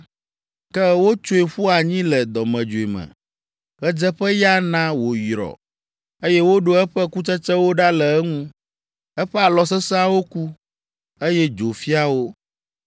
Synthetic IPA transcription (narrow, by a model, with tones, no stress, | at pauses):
kɛ˦wo˦t͡ʃo˦i˨ɸu˦a˨ɲĩ˦lɛ˨d̪ɔ˨mɛ̃˨d͡ʒo˨i˨mɛ̰̃˨ | ɣɛ˦d͡ʒɛ˦ɸɛ˦ja˦nã˦wo˨jɾɔ̰˨ | e˦jɛ˦wo˦ɖo˦ɛ˦ɸɛ˦ku˦t͡ʃɛ˦t͡ʃɛ˦wo˦ɖa˦lɛ˨ɛ˦ŋũ˦ | ɛ˦ɸɛ˦a˨lɔ˨s̬ɛ˦sɛ˦a˦wo˦ku˦ | e˦jɛ˦d͡ʒo˨fi˦a˦wo˦